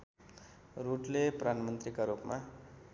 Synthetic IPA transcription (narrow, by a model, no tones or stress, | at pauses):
ruʈleprʌd̪ʱanmʌnt̪rikaɾupma